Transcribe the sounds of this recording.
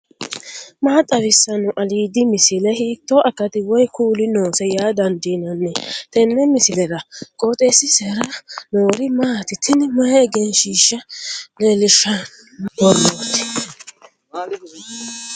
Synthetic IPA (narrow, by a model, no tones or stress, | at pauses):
maːt̪ʼːɐβɪsːɐnʊʔɐliːd̪ɪmɪsɪlɛhiːt̪ːɔʔɐkːɐt̪ɪwɔjkuːlɪno̞ːsɛjaːd̪ɐnd̪inɐnːɛt̪ɛnːɛmɪsɪlɛɾɐkʼoːt̪ʼesːɪsɛɾɐnoːɾɪmaːt̪ɪt̪ʰːɪnmɐjɛɛɡɛnʃiːʃːɐleːlɪʃɐ | bɔɾoːt̪ːɪ̥